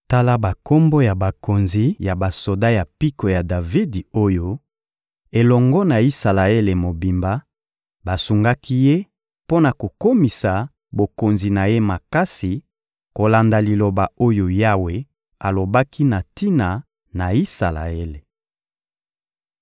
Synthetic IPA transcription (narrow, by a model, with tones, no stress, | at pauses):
ta˦la˦ba˨ko˦mbo˦ja˨ba˨ko˨nzi˨ja˨ba˨so˨da˦ja˨pi˦ko˨ja˨da˨vi˦di˨o˦jo˦ | e˨lɔ˨ŋɡɔ˦na˨i˦sa˨la˨e˦le˨mo˨bi˨mba˦ | ba˨su˨ŋɡa˦ki˦je˦ | po˦na˨ko˨ko˦mi˨sa˨ | bo˨ko˨nzi˨na˨je˦ma˨ka˦si˨ | ko˨la˨nda˨li˨lo˨ba˨o˦jo˨ja˦we˨ | a˨lo˨ba˦kʰi˦na˨ti˦na˨ | na˨i˦sa˨la̰˨e˦le˨